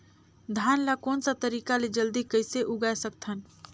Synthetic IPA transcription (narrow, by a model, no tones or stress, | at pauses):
d̪ʱaːnlakoːnsat̪əɾiːkaled͡ʒəld̪ikəɪseʔuɡaesək̚t̪ʰən